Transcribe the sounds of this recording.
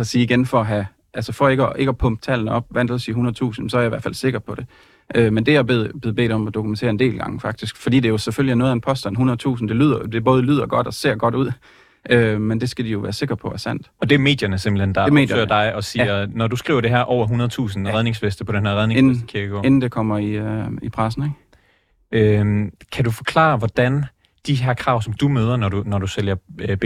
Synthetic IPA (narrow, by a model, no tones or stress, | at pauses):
ɒsiːiɡ̥enfɒɒɦæ | ʔælsəfɒ̽e̝ɡ̥əɒʔe̝ɡ̥ɒpʰɔ̽mb̥̚t͡sʰælnəɒ̽b̥̚ʋænd̥l̩sihunɐð̩ˠt͡sʰṵːsn̩sɒ̽æɐɑ̈iʋæɐfæl̰se̝ɡ̥ɐpʰɒ̽ɾ̥e̝ | ʔømend̥e̝jɑ̈beðˠb̥e̝ð̩ˠbe̝̰ːd̥ɒ̽mɒd̥o̝kʰument͡sʰe̝̰ɐe̝nd̥e̝̰ːlɡ̥ɑ̈ŋfɑ̈ɡ̥d̥isɡ̥fɒdḭːd̥eɐjoseføljiæɐnoːð̩ˠænpʰɒ̽sd̥ænɦunɐðˠt͡sʰṵːsn̩d̥e̝lyð̞̰ˠɐd̥e̝b̥ɔ̽ːð̞ˠlyð̞̰ˠɐɡ̥ɒ̽d̥ɒ̽se̝̰ɐ̰ɡ̥ɒ̽ɾ̥uð̞̰ˠ | ømend̥e̝sɡ̥æd̥ijo̝ʋæːɐse̝ɡ̥ɐpʰɒ̽ʋæɐsæn̰d̥ɒ̽d̥e̝ɐme̝̰ːd̥jɐnəsemb̥l̩hend̥ɑeme̝̰ːdjɐøɐd̥ɑ̈ɪʔɒ̽siːɐnɒdusɡ̥ʁḭːʊɐɾ̥e̝ɦæɐʔɒʊɐɦunɐð̞ˠt͡sʰṵːsn̩ʁɛð̞ˠne̝ŋsfesd̥əpʰɒ̽d̥enɦæɐʁɛðˠneend̥kʰiɐɡ̥ɔ̰e̝nn̩d̥e̝kʰɒm̰ɐiipʰʁas̬n̩eɡ̥ | ømkʰædufɒ̽kʰlɑ̰̈ːʋɒd̥æn | d̥iɦæɐ̰kʰʁɑ̈ʊsɒ̽md̥umøːð̞ˠɐnɒdunɒduseljɐb̥